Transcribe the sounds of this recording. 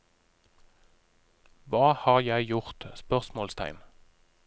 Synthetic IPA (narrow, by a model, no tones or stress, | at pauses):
ʋɑːhɑːʁjæɪjʊʁt̪spœʁsmoːlst̪ʰæ̰ɪn